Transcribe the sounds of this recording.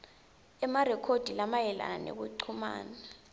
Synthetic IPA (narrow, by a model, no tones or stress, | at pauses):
ɛmarɛkʰod̥ʱilamajɛla̰nanḛk̬uǃʰuma̰ːna